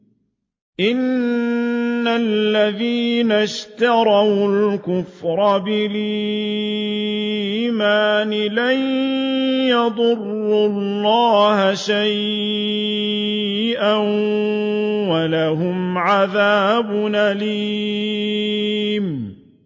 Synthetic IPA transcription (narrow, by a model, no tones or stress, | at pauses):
ʔɪnː | alːaðiːnaʃt̪ɑɾˤɑwlkʊfɾˤɑbɪli | maːnɪlan | jɑd̪ˤʊrːʊlːɑːhaʃaj | ʔan | walaɦʊmʕaðaːbʊnali | m